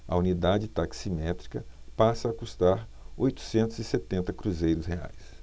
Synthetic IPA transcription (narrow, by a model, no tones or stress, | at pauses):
ɐ̰unid̪ad͡ʒɪt̪aksimɛt̪ɾikɐpasɐːkust̪aɾ | ojt̪u̥sẽnt̪ʊzɪset̪ẽnt̪ɐkɾuzejɾʊshea̰js